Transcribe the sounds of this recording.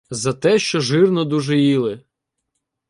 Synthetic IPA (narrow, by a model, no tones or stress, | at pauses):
zɐt̪ɛʃt͡ʃɔʒɪrnɔd̪uʒɛjilˠɪ